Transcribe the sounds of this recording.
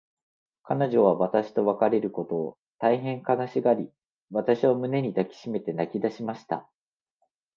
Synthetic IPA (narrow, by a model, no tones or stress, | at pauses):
kano̞ʑo̞β̞aβat̪aɕi̥t̪o̞βakaɾe̞ɾɯ̟ko̞t̪o̞ː | t̪aiɦẽ̞ŋkanaɕiɡaɾʲi | βat̪aɕiβamɯ̟ne̞ɲ̟id̪akʲi̥ɕime̞t̪e̞nakʲid̪aɕimaɕi̥t̪a̰